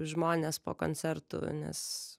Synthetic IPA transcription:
ʒmoːnʲeːspo̰ːko̰ːnʲt͡ssʲɛrt̪ʊ̰nʲɛ̰s

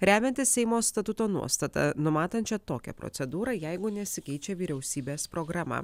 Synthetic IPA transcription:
ɾʲæːmʲɛnʲt̪ʲɪsʲsʲɛɪmoːst̪ɐt̪ʊt̪oːnṵɔst̪ɐt̪ɐ̰nʊmɑːt̪ɐnʲt͡ʃʲɛt̪oːkʲɛ̰pɾɔ̰t̪sʲɛd̪uːɾɐjæɪɡʊnʲɛsʲɪkʲɛɪt͡ʃʲɛʋʲiːɾʲɛʊsʲiːbʲeːspɾoːɡɾɑːmɐ̰ː

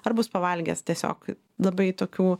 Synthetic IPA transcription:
ɐrbʊspɐʋɐlʲɡʲɛ̰st̪ʲiɛsʲo̰ːk | lˠɐbɐɪt̪oːkʲuː

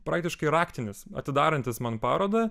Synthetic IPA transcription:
pɾɑːk̚t̪ʲɪʃkɐɪɾɑːkt̪ʲɪnʲɪsɐ̰t̪ʲɪd̪ɑːɾɐnʲt̪ʲɪsmɐnpɑːɾoːd̪ɐ

